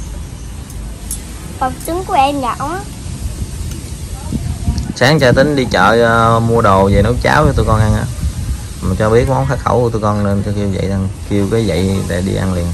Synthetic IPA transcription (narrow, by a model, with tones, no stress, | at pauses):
fə˨˩p̚t͡ɕɨ˨˦ŋku˨˧˩əʔɛ˧mɲa̰ː˧˨wʔaː˨˦ | saː˨˦ŋt͡ɕaː˧t̪ï˨˦ŋ̟ɗi˧t͡ɕə̰ː˧˨˧mu˧əɗə˨˩wze˨˩nə˨˦wt͡ɕa̰ː˨˦wt͡ɕɔ˧t̪u˧jkɔ˧nʔa˧ŋʔaː˧˥ | maː˨˩t͡ɕɔ˧ɓi˦˥ət̚mɔ˨˦ŋ͡mxaː˨˥txə̰˧˩wku˧˦t̪u˧jkɔ˧nne˧nt͡ɕki˧əwzə̰˧˨jza˨˩ŋki˧əwkaː˨˦jzə̰˧˨jla̰˨˩ɗḭ˧ʔa̰˧nli˨˩ən